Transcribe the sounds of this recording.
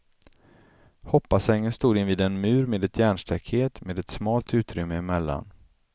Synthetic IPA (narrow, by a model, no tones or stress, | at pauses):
hɔpːasɛŋːənst̪uːd̪ɪnviːd̪ɛnmʉ̟ːɾmeːd̪ɛt̪ʰjæːɳʂʈ̪ʰɛkheːt̪meːd̪ɛt̪smɑːlt̪ʉ̟ːt̪ɾʏmːəɪmɛlːa̰n